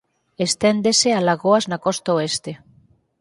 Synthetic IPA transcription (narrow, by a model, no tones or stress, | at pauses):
est̪end̪esealaɣoaznakɔst̪aoest̪e